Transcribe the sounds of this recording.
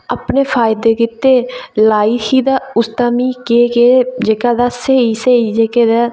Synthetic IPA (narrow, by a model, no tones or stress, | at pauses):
apneːpʰaːjd̪eːkɪt̪eːlaːiːkiːd̪aːʊst̪aːmiːkeːɡeːd͡ʒeːkaːd̪aːseːiːseːiːd͡ʒeːkeːd̪aː